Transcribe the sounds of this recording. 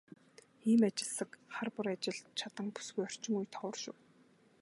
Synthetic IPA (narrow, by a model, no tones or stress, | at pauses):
iːmat͡ɕɪ̆ɮsə̆kχarpʊɾat͡ɕɪ̆ɮt͡ɕʰat̪ə̆ŋpu̥sɡujɔr̥t͡ɕɪ̆ŋujt̪ʰɔw̆rʃʊ̰w